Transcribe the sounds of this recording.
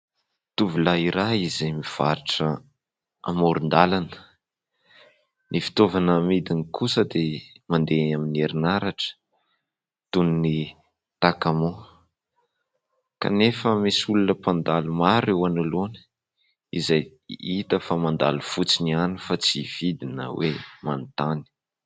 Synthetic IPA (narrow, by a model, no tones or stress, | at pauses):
t̪uvulaiɾaizemiv̥aɾiʈ͡ʂə | a̰moɾind̪alanə̥ | nifi̥t̪ovanəmid̪inikusəd̪e | mand̪eaminieɾinaɾaʈ͡ʂə̥ | t̪ununi | t̪akamo | ka̰nefəmisulunəpand̪alumaɾewanulon | izaj | it̪əfamand̪a̰lufut͡sinianifat͡siv̥id̪inə̰wemant̪ani̥